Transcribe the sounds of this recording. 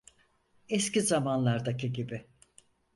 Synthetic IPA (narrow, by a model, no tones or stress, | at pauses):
ɛscizamanlˠaɾd̪acʰiɟibɪ